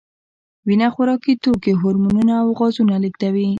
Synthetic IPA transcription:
winaxʊɾɑkit̪okeɦʊɾmununaːwɣɑzunaləkd̪awi

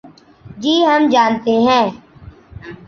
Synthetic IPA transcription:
d͡ʒiːɦəmd͡ʒaːnt̪eɦɛ̃ː

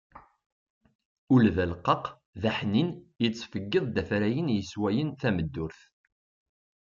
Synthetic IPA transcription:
ʊlðælqːɑq | ðæħninjət͡sːfəɡːəðˤd̪æfɾæjənjəswæjənθæməd̪ːʊɾθ

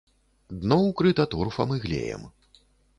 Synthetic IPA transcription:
d̪nɔwkɾɨt̪at̪urfɐ̰mɨɣlʲḛjɛ̰m

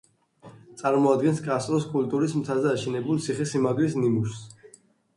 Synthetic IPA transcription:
t̪sʼaɾmɔad̪̚ɡɛnskʼast̪ʼɾɔskʼult̪ʼuɾismt̪ʰazɛaʃɛnɛbulˠt̪sʰiχɛsimaɡlisnimuɾs

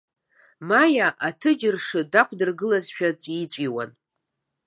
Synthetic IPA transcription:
majaʔatʰɨd͡ʒɪrʂɨdakʷʰʼdɨrɡɨlazʃᶣat͡sʼit͡ɕʷʼiwa̰n

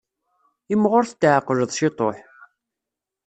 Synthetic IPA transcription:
ɪmʁʊɾθt̪ːʕəqːʒəðˤʃet̪ˤo̰ħ

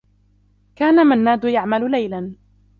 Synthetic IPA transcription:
kaːnamanːaːd̪ʊjaʕmalʊlajlan

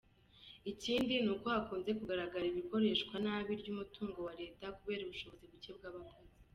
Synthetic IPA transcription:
iciːndinuːko̞hakuːnze̞kuɡaɾaɡaɾiβiko̞ɾe̞ːʃkwanaːβiɾɟuːmutuːŋɡo̞waɾe̞ːtakuβe̞ːɾuβuʃo̞βo̞ziβuce̞bɡaːβakozi

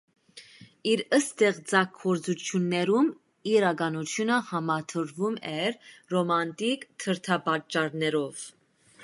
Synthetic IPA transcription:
iɾəst̪ɛʁt͡sɑkʰːɔɾt͡sut͡ʃʰjunːɛɾum | iɾɑɡɑnut̪ʰjunəhɑmɑt̪ʰəɾvumɛɾːɔmɑnt̪ikt̪ʰəɾt̪ʰɑbɑt͡ʃːɑɾnɛɾɔv

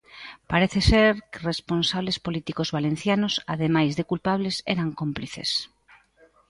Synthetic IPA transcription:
paɾeθeseɾkeresponsaβlespolit̪ikozβalen̟θjanosa̰ðemajzðekulpaβ̞lesɛ̰ɾaŋkompliθḛs

